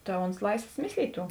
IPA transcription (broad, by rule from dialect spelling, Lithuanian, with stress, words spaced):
tɐ oːns ˈlˠɐɪsʋoːs ˈmʲɪsʲlʲiːtʲ ˈtuː